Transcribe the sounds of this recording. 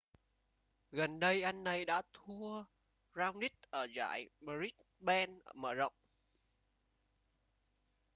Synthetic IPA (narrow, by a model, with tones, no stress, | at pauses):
ɣə˨˩nɗə˧jʔa˧jŋ̟ːa˨˧jɗa̰ː˧˥t̪ʰu˧ə | zaː˧wni˦˥t̚ʔəː˧˩za̰ː˧˨jɓə˧zi˦˥k̚ | ɓɛ˧nʔəː˧˩mə̰ː˧˩zə̰˧˨wŋ͡m